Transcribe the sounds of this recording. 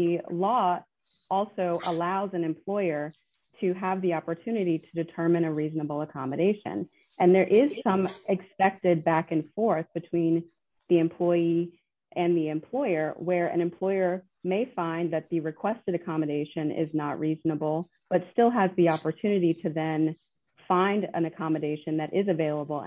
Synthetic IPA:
ɨlɔ | ɔlˠsoʊʔə̰laʊzɨ̃nɨ̃mpʰl̥ɔɪə˞ | ɾɨəvðiɑpə˞tʰʉnɨɾiɾɨdɨtʰɜ̃˞mɨ̃ñɨɹiznəbl̩ˠəkʰɑmɨɾeɪʃɨ̰̃n | ʔɨ̃nðə˞ʔɪz̥sʌ̃mɨkspɛk̚tɪd̚bækɨ̃nfɔɹθb̥ɨtʰw̥ĩn | ðiɨ̃mpʰl̥ɔɪi | ʔɨ̃nðiɨ̃mpʰl̥ɔɪə˞wə˞ɨ̰̃nɨ̃mpʰl̥ɔɪə˞ | meɪfãɪ̃nðɨt̪̚ðɨɹɨkʰw̥ɛstɨɾɨkʰɑmɨɾeɪʃɨ̃nɪ̰znəʔ̚ɹiznəbl̩ˠ | b̥ʌtstɪlˠəzðiɑpə˞tʰʉnɨɾiɾɨðɨ̃n | fãɪ̃ndɨ̰̃nɨkʰɑmɨɾeɪʃɨ̃nðɨɾʔɪzɨveɪlˠəbl̩ˠ

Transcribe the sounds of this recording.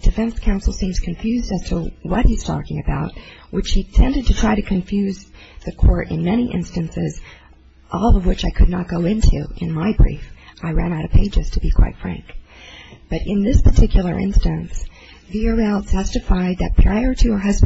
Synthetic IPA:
d̥ɨfɛ̃nskʰãʊ̃nsl̩ˠsĩmz̥kʰɨ̃ɱfjʉzdæz̥tʰəwʌt̚hiz̥tʰɔ̰kɪ̃ŋɨbaʊt̚wɨt͡ʃhitʰɛ̃ndɨd̚tʰɨtʰɹ̥aɪɾɨkʰɨ̃ɱfjʉz | ðɨkʰɔɹɾɨ̰̃nmɛñiʔɪ̰̃nstɨ̃nsɪz | ʔɔlˠʌvwɨt͡ʃaɪkʰɨdⁿnət̚ɡ̥oʊɪ̃ntʰʉ̰ʔɨ̰̃nmaɪbɹḭfʔaɪɹæ̃ñaʊɾɨpʰeɪd͡ʒɨz̥tʰɨbikʰw̥a̰ɪtfɹæ̰̃ŋk | b̥ʌɾɪ̃nðɪspʰə˞tʰɪkjl̩ˠə̰˞ʔɪ̰̃nstɨ̃ns | viə˞ɛlˠtʰɛstɨfaɪd̪̚ðɨ̰t̚pʰɹ̥aɪə˞ɾɨə˞ɦʌz

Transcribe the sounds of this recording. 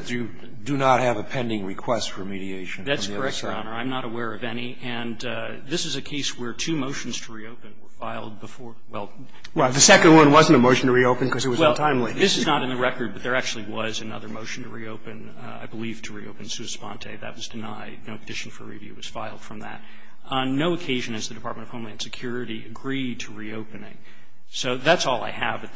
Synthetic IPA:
d̥ɨ | dɨnət̚hɨvɨpʰɛ̃ndɪ̃ŋɹɨkʰw̥ɛstfə˞miɾieɪʃn̩ðætskʰə˞ɛk̚tə˞ɑ̰nə˞ãɪ̃mnəɾəwɛɹʌvɛniʔɨ̃n | ðɪsɨzɨkʰeɪswə˞tʰʉmoʊʃn̩z̥tʰəɹioʊpɨ̃nwə˞faɪlˠd̚bəfɔɹ | wɛlˠ | wðɨsɛkɨ̃nd̚wʌ̃nwʌzn̩təmoʊʃn̩tʰɨɹioʊpɨ̃n̩kʰʌzɨt̚ʌzwɛlˠtʰãɪ̃mleðɪsɨznəɾɨ̃nðɨɹɛkə˞d̚bʌt̪̚ðə˞æk̚t͡ʃʉl̩ˠiwʌzɨnʌ̰ðə˞moʊʃn̩tʰɨɹioʊpɨ̃n | a̰ɪbəliv̥tʰɨɹḭo̰ʊpɨ̃n̩sʉɨspɑ̰̃ntʰḛɪðɨ̰ʔ̚wʌzdɨnaɪd̚ⁿnoʊpʰədɪʃn̩fə̰˞ɹḭvjʉ̰wʌz̥faɪlˠd̥fɹʌ̃mðɨ̰t̚ | noʊɨkʰeɪʒɨ̃nɨzðɨdɨpʰɑɹt̚mɨ̃nʌv̥hõmlãɪɨ̃nsɨkʰj̥ʊɹɨɾiɨɡɹid̚tʰɨɹioʊpɨnɪ̰̃ŋ | soʊðætsɔlˠa̰ɪɨ̰vɨt̪̚

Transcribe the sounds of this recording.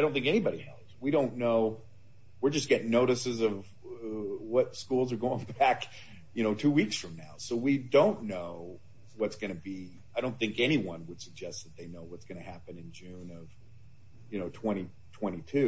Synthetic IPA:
aɪõʊ̃nθɪ̃ŋkɛnibɑɾihɛ̰lˠswiɾõʊ̃nːoʊ | wɨɹd͡ʒʌsɡ̥ɛɾɪ̃ŋnoʊɾɨsɨzʌv | wʌtskulˠzə˞ɡoʊɪ̃ŋbæk | jɨñoʊtʰʉwiksfɹʌ̃mnaʊsoʊwidõʊ̃nːoʊ | wʌtsɡ̥ʌnɨbi | aɪɾõʊ̃nθɪ̃ŋkɛniwʌ̃nwəd̥sɨɡ̚d͡ʒɛst̪̚ðɨt̪̚ðeɪnoʊwʌtsɡ̥ʌñɨhæpɨ̃nɨ̃nd͡ʒʉ̃nʌv̥ | jɨnoʊtʰw̥ɛ̃ɾ̃i | tʰw̥ɛ̃ɾ̃itʰʉ

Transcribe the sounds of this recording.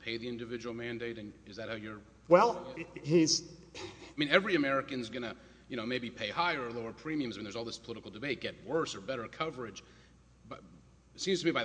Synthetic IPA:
pʰeɪðiɪ̃ndɨvɪd͡ʒɨwl̩ˠmæ̃ndeɪɾɨ̃nɨzðɨt̚haʊjə˞ | wɛlˠhiz̥ | mĩnɛvɹiɨmɛɹɨkɨ̃nzɡʌñɨ | jɨñoʊmeɪbipʰeɪhaɪə˞əloʊə˞pʰɹ̥ĩmiɨ̃mzamĩnðə˞zɔlˠðɪspʰəlɪɾɨkl̩ˠdɨbeɪt̚ɡ̥ɛt̚wɜ˞sə˞bɛɾə˞kʰʌvə˞ɨd̥ʒ | b | tsĩmz̥tʰɨmibaɪ

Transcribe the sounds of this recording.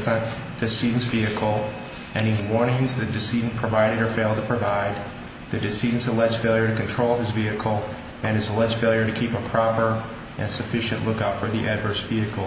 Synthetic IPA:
fə̃n | d̥ɨsidⁿn̩sviɨkʰl̩ˠ | ʔɛ̃ñĩwɔɹnɪ̃ŋzðɨdɨsidⁿn̩pʰɹ̥əvaɪɾɨɾə˞feɪlˠdtʰəpʰɹ̥ɨvaɪd̪̚ | ðɨdɨsidⁿn̩səlɛdz̥feɪlˠjə˞ɾɨkɨ̃ntʰɹ̥oʊlˠɨzviɨkʰl̩ˠ | ɨ̃nɨzəlɛdz̥feɪlˠjə˞ɾɨkʰipəpʰɹ̥ɑpə˞ | ʔɨ̃nsɨfɪʃɨ̃nʔlʊkʌpfə˞ðiʔædvə˞sv̥iɨkl̩ˠ

